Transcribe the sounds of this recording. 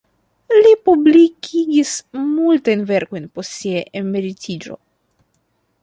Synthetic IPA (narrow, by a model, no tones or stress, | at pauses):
lipublikʲʰiɡʲismultajnve̞ɾko̞jnpostsiaʔemeɾitʰid͡ʒo̞̰